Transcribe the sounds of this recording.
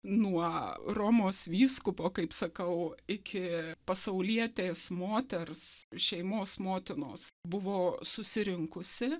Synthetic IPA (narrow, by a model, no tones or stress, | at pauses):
nuɔroːmoːsʋʲiːskʊpoːkɐɪpsɐkɐʊɪkʲɪpɐsɐʊlʲiɛt̪ʲeːsmoːt̪ʲɛrsʃʲɛɪmoːsmoːt̪ʲɪno̰ːsbʊʋoːsʊsʲɪɾʲɪŋkʊsʲɪ